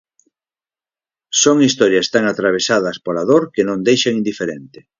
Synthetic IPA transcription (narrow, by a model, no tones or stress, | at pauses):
soŋist̪ɔɾjɐst̪aŋat̪ɾaβ̞esað̞ɐspolaðoɾkenõnd̪ejʃaĩnd̪ifeɾent̪ɪ̥